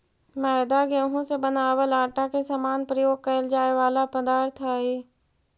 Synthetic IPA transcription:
mɛːd̪aɡẽːɦõsebənaːʋəlaːʈakesamaːnpɾəjoːɡ̚kɐəld͡ʒaːeʋaːlapəd̪aːɾt̪ʰaɦiː

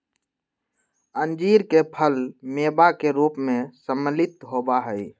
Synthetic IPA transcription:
ənd͡ʒiːɾkepʰəlmeːbakeɾuːpmẽsəməlɪt̪ɦobaɦəi

